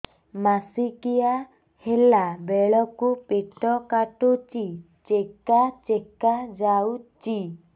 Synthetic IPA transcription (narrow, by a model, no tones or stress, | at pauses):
masikija | helabeɭɔkupeʈɔkaʈut͡ʃi | t͡ʃekat͡ʃekad͡ʒawt͡ʃi